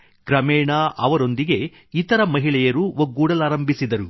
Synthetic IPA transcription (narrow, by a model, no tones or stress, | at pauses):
ɡ̥ɾɐmɛːɳaʔɐʋɐɾo̞nd̪iɡe̞ | it̪ɐɾɐmɐɦiɭɛjɐɾuʋoɡːuːɽɐlaːɾɐmbʱisid̪ɐɾu